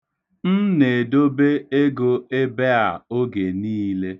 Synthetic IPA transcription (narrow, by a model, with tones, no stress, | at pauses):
n̩˦ne˨do˦be˦e˦ɡo˦e˦be˦a˨o˦ɡe˨niː˦le˦